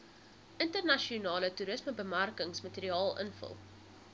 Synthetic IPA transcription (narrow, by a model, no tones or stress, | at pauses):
ʔəntərnɐʃiunɑːlətuɾəsməbəmærkəŋsmɐteɾiɑːlˠʔə̰nfə̰lˠ